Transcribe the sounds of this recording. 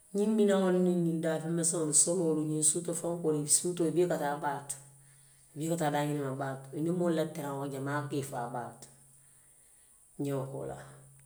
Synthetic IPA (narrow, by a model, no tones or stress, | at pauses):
ɲimbinaŋonninːidaːfemːɛsoŋonsomoːɾuɲĩsutofãŋkonisutobikataːbaːt | bikataːdaːɲinimabaːtinimolateɾãŋoɟamaːkefa̰baːt | ɲoko̰la̰